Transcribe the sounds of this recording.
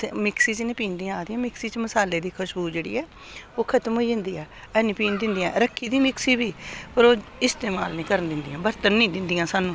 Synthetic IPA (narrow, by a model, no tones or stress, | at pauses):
mɪksiːt͡ʃənɪːpiːnd̪ĩãaːd̪iːãːmɪksiːt͡ʃməsaːleːd̪iːkʰʊʃbuːd͡ʒeːɽḭːɛː | oːkʰət̪əmɦoiːd͡ʒɪ̃nd̪iːɛː | ɛːnĩːpiːnd̪ɪnd̪ijãːɾəkʰːiːd̪iːmɪksiːbiːpəɾoːɪst̪eːma̰ːlnĩːkəɾənd̪ɪnd̪iːãːbəɾt̪ənːĩːd̪ɪnd̪ijãːsaːnũː